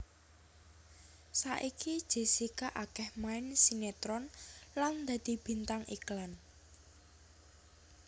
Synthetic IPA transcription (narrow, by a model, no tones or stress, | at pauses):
saʔikid̥ʒ̥e̤sikaʔakɛhmaɪnsinet̪ɾɔnland̪̥ä̤d̪̥i̤b̥i̤nt̪aŋʔḭklan